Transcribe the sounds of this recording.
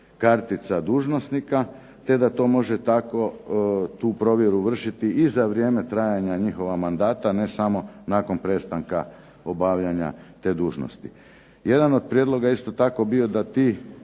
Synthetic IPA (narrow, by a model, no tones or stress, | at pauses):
kaɾt̪it̪sad̪uːʒno̞snika | t̪e̞d̪at̪o̞ːmo̞ʒet̪ako̞t̪uːpɾo̞ʋje̞ɾuʋr̩ʃit̪iizaʋɾje̞ːmet̪ɾaːjaɲaɲixo̞ʋamand̪aːt̪ane̞samo̞naːko̞npɾe̞ːst̪aŋka̰ | o̞baːʋʎaɲa̰t̪e̞ːd̪uːʒno̰st̪ḭ | je̞d̪ano̞d̪̚pɾjed̪lˠo̞ɡaist̪o̞t̪ako̞bio̞d̪at̪iː